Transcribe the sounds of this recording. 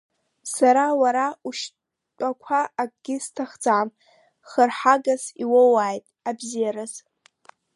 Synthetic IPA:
saɾawaɾauʃ | tʷʼakʷʰaʔːkʼɡʲɪstʰaχd͡zʼam | χərħaɡasiwowaːjtʼabzijaɾaz̥

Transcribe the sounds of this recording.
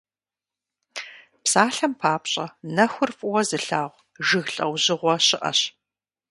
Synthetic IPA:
psaːɬɐmpʰaːpɕʼɐnɐxʷʊrfʼʊwɐzɨɬaːʁʷ | ʒɨɣɬʼɐ̰wʑɪʁʷɔɕɪʔɐ̰ɕ

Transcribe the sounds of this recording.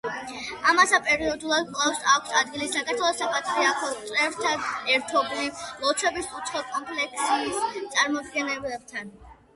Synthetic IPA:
amasapʼɛɾiɔd̪ulˠad̪̚kʼlafsakʷʰsad̪ɡilisːakʰʼaɾt̪ʰwɛlˠɔsapʼat̪ʰɾiakʰɔɾɛft̪ʰaɛɾt̪ʰɔblilˠɔt̪sʰwɛbisut̪sʰχɔkʼɔmpʰlɛkʰsiist̪sʼaɾmɔbɡɛnɛblɛb̚t̪ʰan

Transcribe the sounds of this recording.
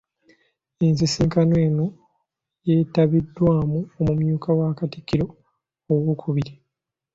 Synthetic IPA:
ensisiːŋkanwe̞ːno̞ | jeːtaβidːwaːmuomumjuːkawaːkati̥kːiɾo̞ː | ɣukʰuβiɾi

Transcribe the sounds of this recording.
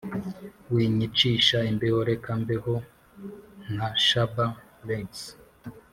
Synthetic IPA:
wiːɲit͡ʃiʃaimbehoɾekambeho | naʃaba | leŋs

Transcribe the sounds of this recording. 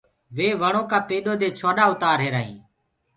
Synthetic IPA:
ʋeːʋəɳ̃oːkaːpeːɗoːd̪eːt͡ʃʰoːɗaːʊt̪aːɾɦeːɾaːɦḭ̃ː

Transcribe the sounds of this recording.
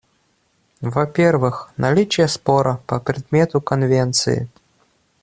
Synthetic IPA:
vɐpʲervɨxnɐlʲit͡ɕɪjəspoɾɐpɐpɾʲɪd̪̚mʲet̪ʊkɐnvʲent̪sɨ̰ɪ̰

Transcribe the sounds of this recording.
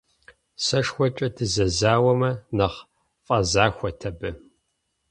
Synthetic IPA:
sɐʂxʷɔt͡ʃʼɐdʰɨzɐzaːwɐmɐnɐχ | fʼɐzaːxʷɔtʰɐbɨ

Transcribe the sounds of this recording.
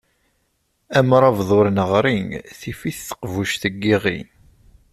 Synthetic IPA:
æmɾˤɑvðˤoɾnəʁɾiŋθifiθθə̥qvuʃθəɡːiʁḭn

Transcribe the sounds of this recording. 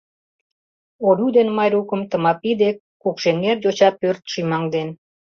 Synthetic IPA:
oɾʲud̪enmɑjɾukə̆mt̪ə̆mɑpid̪ekːukʃenːerd̪ʲot͡ɕɑt̪̚pørt̪ʃimɑŋd̪en

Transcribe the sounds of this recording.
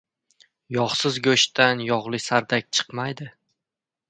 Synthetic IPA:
jɒχsɪzɡʲɵʃt̪ʰanjɒʁlˠɪsaɾd̪ak̚ʲt͡ʃʰɨ̥qmajd̪ɪ

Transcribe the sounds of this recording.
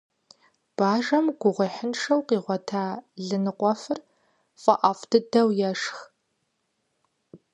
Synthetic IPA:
b̥aːʒɐmɡʷʊʁʷiħɪnʂɐwqiːʁʷɔtʰaːɮɨnɨqʷɔfɨr | fʼɐʔɐfdʰɨdɐwjɛʂx

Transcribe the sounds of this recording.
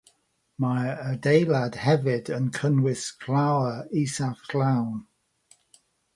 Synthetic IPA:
maədeɪlad̥hɛvɪdənkʰənwɪskʰlawəisaklawn

